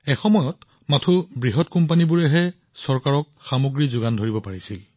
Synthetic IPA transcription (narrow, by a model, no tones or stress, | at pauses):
ɛxɔmɔjɔt | matʰubɹiɦɔtkɔmpanibuɹɛɦɛ | sɔɹkaɹɔk̚xamoɡɹizʊɡandʱoɹibɔpaɹisil